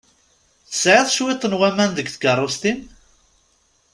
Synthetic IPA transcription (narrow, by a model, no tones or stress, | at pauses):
θə̥sʕɪðˤʃwɪt̪ˤːənwæmænd̪əɡθɡərˤːost̪in